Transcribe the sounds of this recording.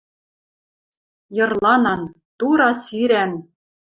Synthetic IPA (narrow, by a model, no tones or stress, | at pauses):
jɤ̆rlˠɑnɑn | t̪uɾɑsiɾæn